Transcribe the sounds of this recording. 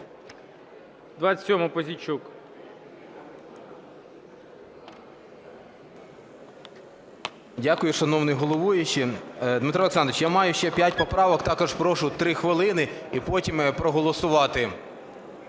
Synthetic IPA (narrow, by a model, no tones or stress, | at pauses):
d̪ʋat͡sʲtʲsʲɔmɐpɔzʲit͡ʃuk | dʲakʊjʊʃɐnɔwnɪjɦɔlˠɔʋujʊt͡ʃɪd̪mɪt̪ɾɔlˠeksɑnd̪ɪt͡ʃjamɑjʊʃt͡ʃɛpʲjat̚ʲpɔpɾɑʋɔkt̪ɑkɔʒpɾɔʃʊt̪ɾɪxʋɪlˠɪnɪipɔtʲimpɾɔɦɔlˠɔsʊʋɑt̪ɪ